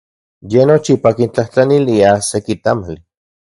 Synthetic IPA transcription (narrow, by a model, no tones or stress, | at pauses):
jenot͡ʃipakint͡ɬaht͡ɬaniliasekit̪amali